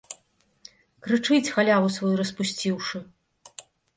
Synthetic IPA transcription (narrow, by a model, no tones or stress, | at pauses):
kɾɨt͡ʂɨt͡sʲxalʲawusvɔjɾɐspusʲt͡sʲiwʂɨ